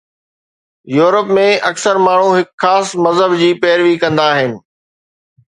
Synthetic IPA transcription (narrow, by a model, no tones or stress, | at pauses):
juːɾəpmẽʔɐksəɾmaːɳ̤ũɦɪkxaːsmɐzɦəbd͡ʑiːpɛːɾʋikɐ̃nd̪aːɦɪnɪ̆